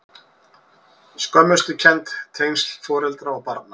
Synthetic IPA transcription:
skœmːʏst̪ʏcʰɛnt̪t̪ʰːejnst̪lfɔːɾɛlt̪ɾaawpaɾt̪̚na

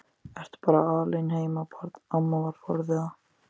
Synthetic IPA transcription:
ɛɾ̥t̪paːɾaaːlejnheːjmapʰaɾt̪namavaɾ̥fɔɾðɪa

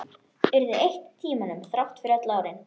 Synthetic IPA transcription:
ɛɾðʏejht̪t̪ʰːiːmanʏmθɾawht̪fɪɾɛt̪laːwɾɪn

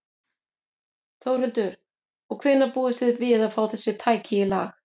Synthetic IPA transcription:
θowɾ̥rhʏlt̪ʏɾ̥ | ɔɣkʰvɪːnːapuːðʏsɪðvɪðaðfaːwθɛsːɪt̪ʰaːjcʰɪɪla̰ːx

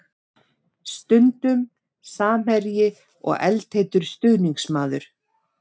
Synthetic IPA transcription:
st̪ʏnt̪ʏm | saːmɛɾjɪ | ɔ̰ɣɛ̰lt̪heːjt̪ʏɾ̥st̪ʏɣniŋksmaːðʏɾ̥

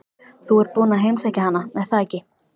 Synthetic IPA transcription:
θuɛɾ̥puːnaɦejmsaːjcahanːamɛðθaɛcɪ

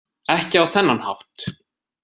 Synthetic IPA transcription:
ɛhcɪawθɛnːanha̰wt̪

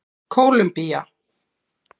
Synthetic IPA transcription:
kʰoːwlʏmpija

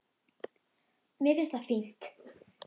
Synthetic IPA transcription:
mjɛvɪst̪afin̥t̪

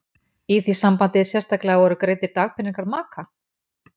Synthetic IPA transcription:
iθisampant̪ɪsjɛst̪aklavɔɾʏkɾeːjt̪ɪɾt̪aːɣpʰɪnːiŋkaɾðmaːkʰa

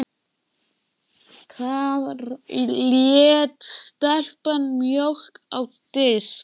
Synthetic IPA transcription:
kʰvað | ljɛt̪st̪ɛr̥panmjohkawt̪ɪs

